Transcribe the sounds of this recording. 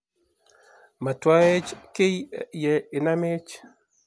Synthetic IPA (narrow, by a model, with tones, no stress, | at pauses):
ma˨twa˦e˦t͡ʃkɪ˦jjɛ˨ɪ˨na˦me˦t͡ʃ